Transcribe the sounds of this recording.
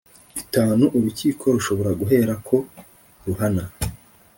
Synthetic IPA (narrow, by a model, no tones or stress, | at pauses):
itaːnuʔuɾuciːkʰo̞ɾuʃo̞βo̞ɾaɡuɦe̞ːɾakʰo̞ | ɾuɦana